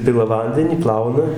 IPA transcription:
ˈpʲɪlˠɐ ˈʋɐnʲdʲɛnʲiː ˈplˠɐʊnɐ

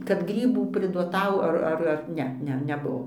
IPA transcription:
kɐt ˈɡrʲiːbuː pʲrʲɪduɔˈtɐʊ ˈɐr ˈɐr ɐr ˈnʲɛ ˈnʲɛ nʲɛˈbʊʋoː

